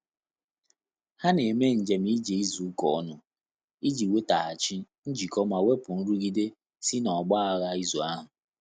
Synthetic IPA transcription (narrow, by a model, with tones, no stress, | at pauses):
ha˦ne˨me˦n̩˨d͡ʒe˨m̩i˦d͡ʒe˨i˦zu˨˦kɔ˨ɔ˦nʊ˨ | i˦d͡ʒi˨we˦ta˨ɦa˨t͡ʃi˦ | n̩˦d͡ʒi˨kɔ˦ma˨we˦pʊ˨n̩˦ɾu˦ɡi˦de˦ | si˦nɔ˨ɡ͡ba˦a˦ɣa˦i˦zu˨a˦ɦʊ˨